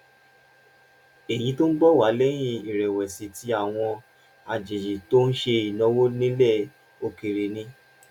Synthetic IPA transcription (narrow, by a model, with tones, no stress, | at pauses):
e˨j̃ĩ˨˦to˦n̩˦bɔ˦˨wa˨˦lɛ˦j̃ĩ˦˧i˨ɾɛ˨wɛ˨si˨˦ti˦a˨w̃ɔ̃˧ | a˨d͡ʒe˨ji˨to˦n̩˦ʃe˧i˨nɔ̃˧˦wo˦nĩ˦lɛ˦˨ | o˧ki˨ɾe˨nĩ˦